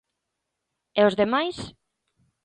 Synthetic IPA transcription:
eozðemajs

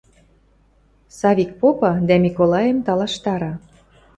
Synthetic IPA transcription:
sɑβʲik̚popɑd̪æmʲikolɑjə̆mt̪ɑlɑʃt̪ɑɾɑ

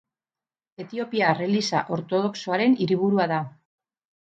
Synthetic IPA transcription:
e̞t̪io̞piare̞lisa̰ʔo̞ɾt̪o̞ð̞o̞kso̞aɾe̞niɾiβ̞uɾuaða

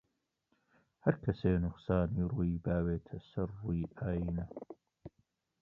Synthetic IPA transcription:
hɐɾkʰɐseːnʊqsaːniːɾuːjibaːweːt̪ʰɐsɐrːuiʔaːjiːnɐ

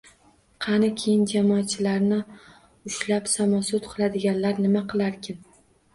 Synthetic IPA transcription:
qʰɑnɪkʲʰejɪnd͡ʒamɒːt̪̚t͡ʃʰɪlaɾnɪ | ʊʃlapsamɒsʊt̪qʰɨlˠad̪ɪɡʲanlaɾnɪmaqʰɨlˠaɾkʲʰɪn

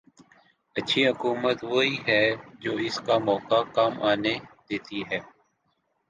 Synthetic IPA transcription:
ətːʃʰiːɦʊkuːmət̪ʋoːiːɦɛːd͡ʒoːɪskamɔːkakaːmʔaːned̪̥eːt̪iɦɛː

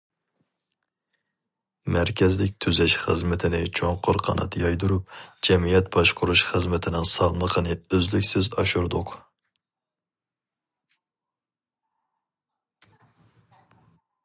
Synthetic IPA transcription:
mæɾkʲʰɛzlɪk̚ʲt̪ʰyzɛʃχəzmɪt̪ʰɪnɪt͡ʃʰoŋqʰʊɾqʰɑnɑ̰t̪ʰjɑjd̪uɾup̚d͡ʒɛmijɛt̪b̥ɑʃqʰʊɾuʃχəzmɪt̪ʰɪnɪŋsɑlˠməqʰənɨøzlykʲsɪzɑʃuɾd̪ʊq

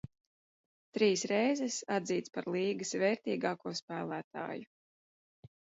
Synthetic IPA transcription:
t̪ɾiːsɾɛjzɛsad̪ziːt̪spaɾlˠiːɡɨsvɛːɾt̪iːɡaːkuɔspæːlˠæːt̪a̰ːju

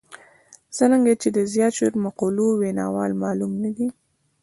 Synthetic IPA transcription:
z̥ənəŋɡat͡ʃed̪əzjɑt̪ʃeɾmaqolowenɑ̰wɑlmɑlumnad̪i

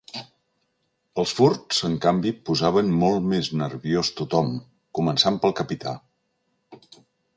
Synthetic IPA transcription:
əlˠsfuɾtz̥əŋkambipuzaβənmɔlˠtmeznəɾβiost̪ut̪ɔm | kumənsampəlˠkəpit̪ʰa̰

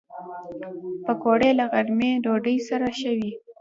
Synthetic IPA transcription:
pəkoɽelaɣaɾmedoɖəjsaɾaʃəwi

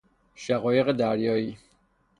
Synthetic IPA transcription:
ʃæɣɒːje̞ɣed̪æɾjɒːiː

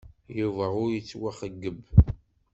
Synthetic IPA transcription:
juvəʁʊɾjət͡sːwaχəɡːəb

